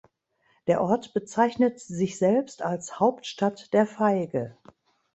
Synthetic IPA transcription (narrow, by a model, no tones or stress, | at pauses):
d̥eːɐʔɔɐtb̥ət͡saɪçnətzɪçz̥ɛlpstalshaʊptʃtatd̥eːɐfaɪɡə